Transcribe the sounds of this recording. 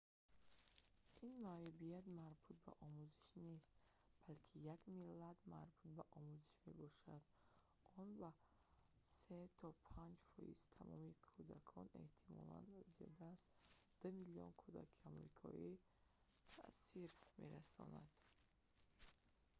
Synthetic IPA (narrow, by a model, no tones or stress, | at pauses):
ʔinmajubijat̪maɾbut̪̚ba̰ʔɔmuziʃnest̪ | b̥alkʰijaɡmilːad̪maɾbut̪̚baʔɔmuzi̥ʃme̞bɔʃad̪ | ɔnba | set̪ʰɔpʰand͡ʒfɔ̰jḭzt̪ʰamɔmikʰud̪akʰɔne̞̰ht̪ʰimɔ̰la̰nziɔ̰d̪azd̪̥umiliɔ̰nkʰud̪a̰kʰiamɾikʰɔ̰i | t̪ʰa̰ʔsiɾme̞ɾasɔ̰na̰d̪̥